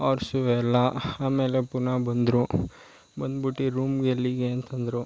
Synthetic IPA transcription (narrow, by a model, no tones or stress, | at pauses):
ɔːɾsuʋɛlːɐaːmeːlepunabɐnd̪ɾu | bɐnd̪biʈːiɾuːmɡeliɡeɐnt̪ʰɐnd̪ɾu